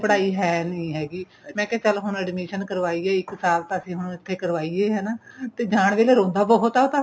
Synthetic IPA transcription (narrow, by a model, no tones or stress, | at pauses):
pəɽaːiːɦɛːnəĩːɦɛːɡiː | mɛ̃ːkɛ̃ːt͡ʃəlɦʊɳɛɖmiːʃənkəɾʋaːiːɛːɪksaːlt̪ãːəsĩːɦʊnɪt̪ʰːeːkəɾʋaːiːeːɦɛːnaːt̪eːd͡ʒaːɳʋeːleːɾõːnd̪aːbəɦot̪aːot̪ã